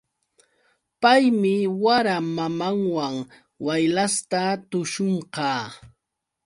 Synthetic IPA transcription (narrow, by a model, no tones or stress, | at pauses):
pajmɪwaɾamamaŋwaŋ | wajlast̪at̪ʊʃoɴqɑː